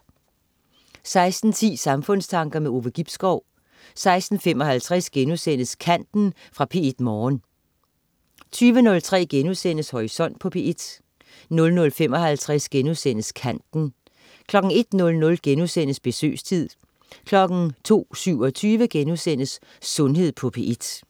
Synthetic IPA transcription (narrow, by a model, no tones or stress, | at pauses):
sɑ̈ɪsd̥n̩t͡sʰḭːsɑ̈mfɔ̽n̰st͡sʰɑ̈ŋɡ̥ɐmeo̝ːʋəɡ̥ib̥sɡ̥ɒʊ̰ | sɑ̈ɪsd̥n̩fem̰ɒ̽ɦælt͡sʰʁɛsɡ̥enusen̰əskʰæn̰d̥n̩ | fʁɑ̈pʰe̝e̝d̥mɒːn | t͡sʰyːʋənɔ̽lt͡sʰʁɛ̰ːɡ̥enuðˠsen̰əshɒʁisɒ̽n̰d̥̚pʰɒ̽pʰe̝ʔed̥ | nɔ̽lnɔ̽lfem̰ɒ̽ɦælt͡sʰʁasɡ̥enusen̰əskʰæn̰d̥n̩ | kʰlɒ̽ɡ̥ŋ̩e̝d̥nɔ̽lnɔ̽lɡ̥enusenəsb̥e̝sø̰ːst͡sʰið̰ˠ | kʰlɒ̽ɡ̥n̩t͡sʰo̝̰ːsyʊ̰ɒ̽t͡sʰyːʋəɡ̥enusen̰əsː | ɔ̽nɦe̝ð̰ˠpʰɒ̽pʰe̝̰ʔed̥